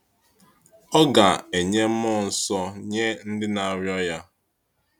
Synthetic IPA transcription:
ɔ˦ɡa˨e˨ɲe˦m̩˦mɔ˦n̩˨sɔ˦ɲe˦n̩˦dɪ˦na˨ɾjɔ˦ja˦

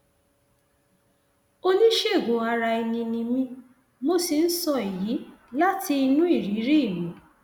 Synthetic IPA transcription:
o˦nĩ˦ʃe˦˨ɡõ˨a˧ɾa˧i˧nĩ˧nĩ˧mĩ˦ | mo˦si˧n̩˦sɔ˦˧e˨ji˨˦la˦ti˧i˧nũ˦i˦˨ɾi˨˦ɾi˦i˦˨mũ˨˦

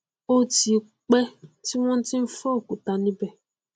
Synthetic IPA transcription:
o˦ti˨ | k͡pɛ˦ti˦wɔ̃˦n̩˦tɪ˦m̩˦fɔ˦˨ku˨ta˨nĩ˦bɛ˦

